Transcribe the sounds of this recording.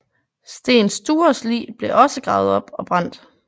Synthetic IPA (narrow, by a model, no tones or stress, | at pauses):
sd̥e̝̰ːnsd̥uːɐslḭːb̥le̝ʔɒ̽səɡ̥ʁɑ̈ːʊð̩ˠɒ̽b̥ɒ̽b̥ʁɑn̰d̥